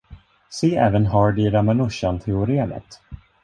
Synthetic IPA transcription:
seːʔɛːvənɦɑːɖ̪ɪɾamanɵʂant̪ʰɛʊɾeːnə̰t̪

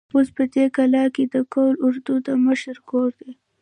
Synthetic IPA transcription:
ospəd̪ekalɑked̪əkolʊɾd̪ud̪əməʃɾkoɾd̪e

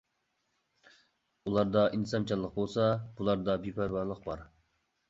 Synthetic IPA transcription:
ulˠɑɾd̪ɑʔinsɑnt͡ʃʰɑlˠːəq̚bolˠsɑb̥ulˠɑɾd̪ɑbipʰæɾwɑɾlˠəqbɑ̰ɾ

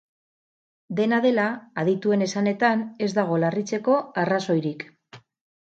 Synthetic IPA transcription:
d̪e̞naðe̞laːðit̪ue̞ne̞sane̞t̪ane̞zd̪aɣ̞o̞larit͡se̞ko̞araso̞jɾik

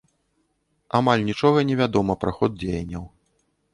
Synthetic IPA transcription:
amalʲnʲit͡ʂɔɣɐnʲɛvʲad̪ɔmɐpɾaxɔd̪̚d͡zʲejɐnʲːɐw

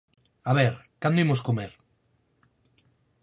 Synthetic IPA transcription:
aβɛɾkand̪uimoskumeɾ

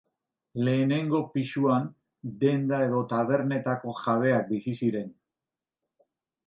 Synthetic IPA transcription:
le̞ːne̞ŋɡo̞piʃuan | d̪e̞nd̪ae̞ðo̞t̪aβ̞e̞ɾne̞t̪ako̞ʝaβ̞e̞ak̚bisisiɾe̞n

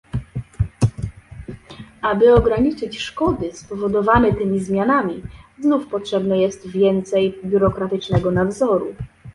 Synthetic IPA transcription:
abɘɔɡɾaɲit͡ʂɘt͡ɕʂkɔd̪ɘspɔvɔd̪ɔvanɛt̪ɘmʲizmʲjanamʲiznufpɔtʂɛbnɛjɛst̪vʲjɛnt̪sɛjbʲjuɾɔkɾat̪ɘt͡ʂnɛɡɔnavzɔɾṵ

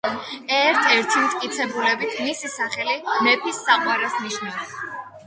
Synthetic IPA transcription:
ɛɾt̪ʰɛɾt̪ʰimt̪ʼkʼit̪sʰɛbulɛbit̪ʰmisisaχɛlimɛpʰisːaqʼwaɾɛsniʃnas

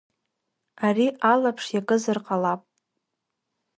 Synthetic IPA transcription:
ariʔalapʰʂjakʼɨzɨrqʼalapʼ

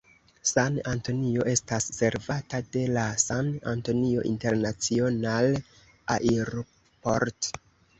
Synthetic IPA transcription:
sananto̞nio̞ʔe̞stasse̞ɾvatade̞lasana̰nto̞nio̞̰ʔḭnte̞ɾnat͡sional | aʔeɾo | po̞ɾt

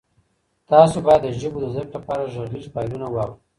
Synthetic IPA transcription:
t̪ɑsobɑjad̪ːəʒəbod̪əzəklapɑɾaʒaɾlizpɑjlunawɑwɾi

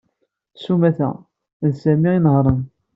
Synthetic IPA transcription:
sumæθæ̰ | ðsæmiinəɦɾˤən

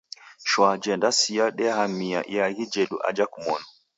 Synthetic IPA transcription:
ʃwad͡ʒɛndasiaɗɛhamia̰ʔj̰aɣid͡ʒɛɗṵʔa̰d͡ʒakumɔnɔ

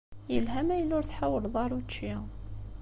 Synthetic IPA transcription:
jəlɦæmæjlːʊɾθħawəlðˤɑɾˤut͡ʃːi

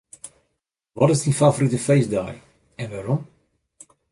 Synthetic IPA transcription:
ʋɔtɪsdinfavoɾitəfejsda̰j | ɛnʋarɔm

